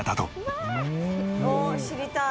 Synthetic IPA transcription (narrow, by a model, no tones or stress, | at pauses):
t̪at̪o | noɕiɾʲit̪a